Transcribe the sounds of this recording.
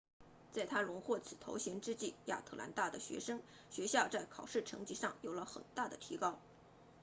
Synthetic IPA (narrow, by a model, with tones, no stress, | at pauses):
t͡sa˥˧ɪt̪ʰa˥lʊ˧˥ŋxwɔ˥˩t͡sʰɹ̩˨˩t̪ʰo˧˥ʊɕjɛ˧˥nʈ͡ʂɻ̩˥t͡ɕi˥˩ja̰˥˩t̪ʰɤ˥˩la̰˧˥nt̪a˥˩d̪ə˩ɕɥɛ̰˧˥ʂɤ˥ŋ | ɕɥɛ˧˥ɕjɑ˥˧ʊt͡sa˥˩ɪkʰɑ˨˩ʊʂɻ̩˥˩ʈ͡ʂʰɤ̰˧˥ŋt͡ɕi˥˩ʂɑ˥˩ŋjo˨˩ʊlə˦xə̰˨˩nt̪a˥˩d̪ə˩t̪ʰi˧˥kɑ˥ʊ